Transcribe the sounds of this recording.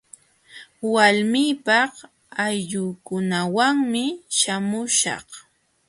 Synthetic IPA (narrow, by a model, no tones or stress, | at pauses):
walmɪːpɑχ | ajʎʊːkʊnawaŋmɪʃamʊʃɑ̰χ